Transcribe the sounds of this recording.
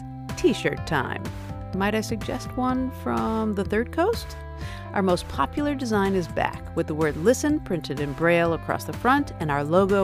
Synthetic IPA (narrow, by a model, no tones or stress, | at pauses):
tʰiʃə̰˞tʰã̰ɪ̃mː | aɪɾaɪsɨɡ̚d͡ʒɛ̰st̚wʌ̃nfɹʌ̃mðəθɜ˞d̚kʰoʊst | ʔaʊə˞moʊspʰɑpjl̩ˠə˞dɨzãɪ̃nɨzbæ̰kwɨðəwɜ˞dˡlɪsɨ̃npʰɹ̥ɪ̃ntɨɾɨ̃nbɹeɪlˠəkʰɹ̥ɔ̰sðəfɹʌ̃ntɨ̃naʊə˞loʊɡoʊ